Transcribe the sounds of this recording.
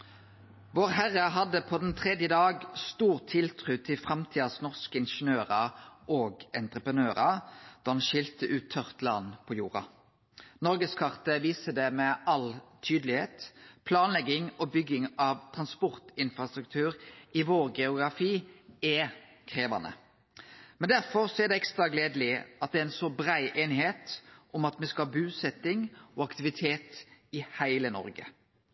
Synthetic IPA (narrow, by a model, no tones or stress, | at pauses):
ʋoːʁɦæʁəɦɑd̪əpʰɔd̪ɛnt̪ʰʁɛd̪jəd̪ɑːɡst̪uːʁt̪ʰɪlt̪ʰʁʉːt̪ʰɪlfʁɑmt̪ʰiːd̪ɑsnɔʁskəɪnʃənøːʁɑʔoːɡɛnt̪ʁəpʁənøːʁɑd̪̥ɑɑnʃɪlt̪əʔʉːt̪ʰːœʁt̪lɑ̰npʰɔjuːʁɑ̰ | nɔʁɡəskʰɑʁt̪əʋiːsəd̪ɛmɛʔɑlt̪ʰyːd̪lɪheːt̪pʰlɑːnlɛɡɪŋɔbʏɡɪŋɑʋt̪ʰʁɑnspɔʁt̪ɪnfʁɑst̪ɾʉk̚t̪ʰʉːɾɪʋoːʁɡɛʊɡɾɑfiːɛ | kʰʁeːʋɑ̰nə̰ | mɛnd̪æɾfɔʁsɔæd̪ɛɛkst̪ʁɑɡleːd̪lɪʔɑt̪̚d̪ɛɪnsɔbʁæɪʔeːnɪheːt̪ʔɔmɑt̪mɛskɑhɑːbʉːsɛt̪ɪŋɔɑkt̪ɪʋɪt̪ʰeːt̪ɪhæɪlənɔ̰ɾɡə̰